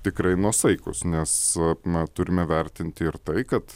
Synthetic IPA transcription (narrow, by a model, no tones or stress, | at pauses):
t̪ʲɪkɾɐɪnuɔsɐɪkʊsnʲɛsɐt̪ʊɾʲɪmʲɛʋʲɛɾʲt̪ʲɪnʲt̪ʲɪɪɾt̪ɐɪkɐt̪